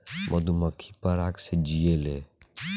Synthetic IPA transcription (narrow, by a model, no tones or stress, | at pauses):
mʔɐd̪uməkʰːipɐɾaːksed͡ʒijelḛː